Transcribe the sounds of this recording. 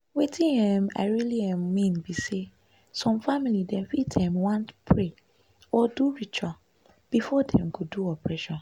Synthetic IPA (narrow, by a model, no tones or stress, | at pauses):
wetʰĩnhɛ̃ma̰ɪɹiliɛ̃mːĩnbise | sɔ̃mfamilidɛ̃nfitʰɛ̃mwãntpʰɹe | ɔduɹit͡ʃʰa | b̥ifɔdɛ̃mɡoduɔpʰɹɛʃɔ̃n